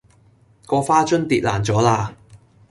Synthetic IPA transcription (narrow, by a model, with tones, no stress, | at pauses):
kɔː˧faː˥t͡ʃɵ˥nt̪iː˨t̚laː˨˩nt͡sɔː˨˥laː˧